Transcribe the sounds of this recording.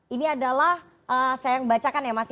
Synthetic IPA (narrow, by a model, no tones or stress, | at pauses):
iniadalah | əːsajaŋbat͡ʃakanjamasɪ